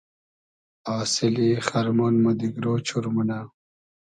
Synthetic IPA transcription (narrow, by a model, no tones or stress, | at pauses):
aːsiliχaɾmunmud̪iɡɾot͡ɕʰuɾmuna